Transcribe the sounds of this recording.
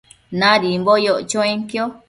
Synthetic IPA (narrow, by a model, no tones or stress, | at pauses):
nãɾimbojoʔt͡ʃõẽŋkjo